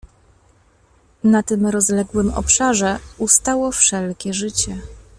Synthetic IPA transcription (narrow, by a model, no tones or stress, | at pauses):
nat̪ɘmɾɔzlɛɡwɘmɔ̰pʂaʐɛust̪awɔfʂɛlkʲɛʐɘt͡ɕɛ